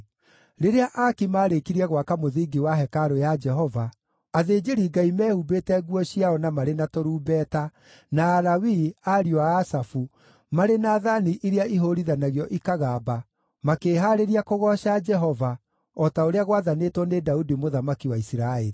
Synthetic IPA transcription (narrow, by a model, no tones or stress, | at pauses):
ɾeɾeaʔakimaːɾekiɾiɛɣwakamoðiːɡiwaɦɛkaɾojad͡ʒɛɦɔvaː | ðeːd͡ʒeɾiɡaimɛːhubetɛɣwɔɕiaɔnamaɾenatɔɾuːbɛːta | naːɾawiaɾiɔaːsafu | maɾenaːðaniʔiɾeaiɦoɾiðanaɣjɔʔikaɣaːba | makeːɦaːɾeɾiakoɣɔʃad͡ʒɛɦɔva | ɔtaoɾeaɣwaðanetwɔnedaudimoðamakiwaisiɾaeɾi